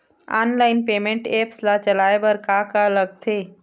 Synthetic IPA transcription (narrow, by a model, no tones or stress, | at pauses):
a̰nlaɪnpeːmẽɳʈeːpslat͡ʃəlaebəɾkakaləɡ̚t̪ʰe